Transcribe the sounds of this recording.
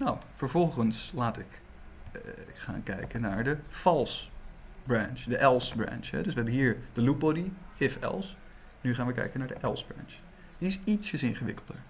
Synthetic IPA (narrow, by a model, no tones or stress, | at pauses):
nowfəɹvɔlˠχənslaːtɪk | χa̰ːnkɛjkənːaːɹdəfɑlˠsbrant͡ʃdəʔɛlˠsbra̰nt͡ʃɦɛ̰dɵsʋəɦɛbənɦiːɹd̥əlubɔdihɪfɛ̰lˠs | nyχaːnʋəkɛ̰jkənaːɹdəʔɛlˠsbra̰nt͡ʃ | diɪsitsəsɪnχəʋɪ̰kəlˠdə̰ɹ